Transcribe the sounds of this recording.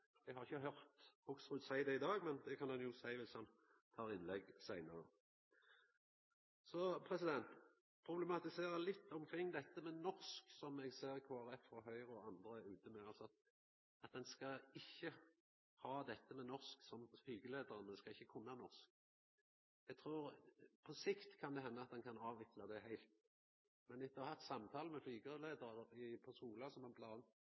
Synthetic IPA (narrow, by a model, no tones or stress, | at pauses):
ɛɡhɑʁɪçːəɦœʁt̪ɔksʁʉt̪sæɪd̪ɛɪd̪ɑːɡmɛnd̪ɛkʰɑnd̪ɑnjʊsæɪʋɪshɑn | t̪ʰɑːʁɪnlɛɡsæɪnəʁə | sɔpʰʁɛsɪd̪ɛnt̪ | pʰʁʊblɛmɑt̪ɪseːʁəlɪt̪ːɔmkʰʁɪŋːd̪ɛt̪ːəmɛnɔʁsksɔmɛɡseːʁkʰoːæʁɛfɔɦœʏʁɔɑnd̪ɾəʉːt̪əmɛɑlsɔɑt̪̚ | ɑt̪̚d̪ɛnskɑɪçːə | hɑːd̪ɛt̪ːəmɛnɔʁsksɔmflyːɡəleːd̪əʁənəskɑɪçːəkʰʊnːəɑnɔʁsk̚ | ɛɡ̚t̪ʰʁɾuːʁpʰɔsɪkt̪kʰɑnd̪ɛɦɛnːəɑt̪̚d̪ɛnkʰɑnɑːʋʋɪklɑd̪ɛhæɪlt̪ | mɛnɪt̪ːəhæʁt̪sɑmt̪ʰɑːləmɛflyːɡəleːd̪əʁɑʁəɪpʰɔskuːlɑsɔmɑblɑːn